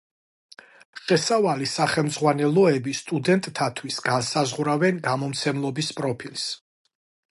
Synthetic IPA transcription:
ʃɛsavalisaχɛlˠmd̪zʁwanɛlˠɔɛbist̪ʼud̪ɛnt̪ʼt̪ʰat̪ʰwisɡansazʁɾavɛnɡamɔmt̪sʰɛmlˠɔbispʼɾɔpʰils

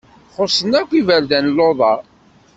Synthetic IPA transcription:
χosˤːənækʷivæld̪ænlːoðˤɑɾˤ

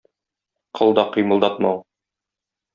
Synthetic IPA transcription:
qʰɤ̆lˠd̪ɑqŏjmɤ̆lˠd̪ɑt̪mɑw

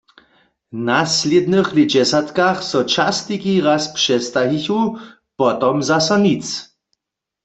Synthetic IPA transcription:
nasled̪nɨxlid͡ʑɛsat̪kaxsɔt͡ʃast̪ikiʁaspʂɛst̪aɦiçu | pɔt̪ɔmzasɔnit͡s

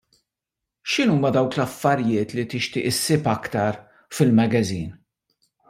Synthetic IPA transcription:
ʃɪnuːmɐd̪ɐwklɐfːɐɾjɪːt̪lit̪ɪʃt̪ɪːʔɪsːɪːpɐkt̪ɐɾ | fɪlmɐɡɐziːn

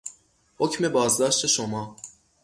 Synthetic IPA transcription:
hocme̞bɒːzd̪ɒːʃt̪ʰeʃomɒː

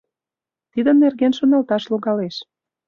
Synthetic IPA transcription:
t̪id̪ənːerɣenʃŏnɑlt̪ɑʃloɣɑleʃ

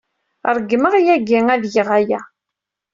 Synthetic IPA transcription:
ɾˤəɡːməʁjæɡiŋæðjəʁæjæ

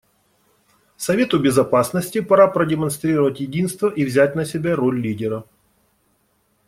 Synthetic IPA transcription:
sɐvʲe̞t̪ʊbʲɪzɐpasnəsʲtʲɪpɐɾapɾədʲɪmɐnst̪ɾʲiɾəvətʲjɪdʲinst̪vəʔivzʲæt̚ʲnəsʲɪbʲaɾolʲlʲidʲɪɾə

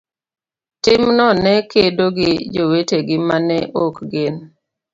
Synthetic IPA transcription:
tɪmnɔnɛkedoɡɪd͡ʒoweteɡɪmanɛʔokɡɪn

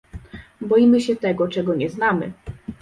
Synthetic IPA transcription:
bɔjimɘɕɛt̪ɛɡɔt͡ʂɛɡɔɲɛznamɘ̰

